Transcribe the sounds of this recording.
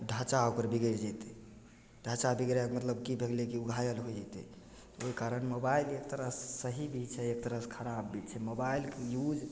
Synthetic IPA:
ɖʱət͡ʃaokəɾbiɡeɾd͡ʒɛt̪ɛ̥ | ɖʱət͡ʃabiɡɾakmət̪ləbkibʱeɡlekiuɡʱajəlɦojd͡ʒɛt̪ɛ̰ | oikaɾənmobailek̚t̪əɾəsːəɦibʱit͡ʃt͡ʃʰɛek̚t̪əɾəskʰəɾabːit͡ʃʰɛmobailkejud͡ʒ

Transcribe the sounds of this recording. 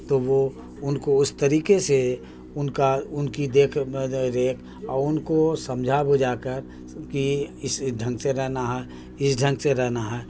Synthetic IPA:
t̪oʋo | ʊnkoʊst̪əɾiːkese | ʊnkaʊnkid̪eːkʰɾeːkʰ | ɔːɾʊnkosɐmd͡ʒʱabʊd͡ʒaːkəɾ | kiɪsɖʱə̃ŋɡseɾɛɦnaɦɛː | ɪsɖʱə̃ŋɡseɾɛɦnaɦɛː

